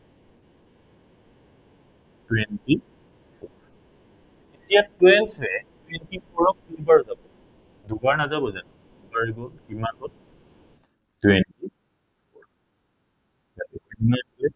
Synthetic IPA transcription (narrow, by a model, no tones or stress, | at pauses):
twɛnti | fʰɔɹ | etijatwɛnsɛtwɛntipʰɔɹɔk̚tunbaɹzabɔ | dubaɹnazabɔzanɛ | ubaɹiɡɔlkimanɡɔl | twɛnti | pʰɔɹ | jatɛsinnaɛ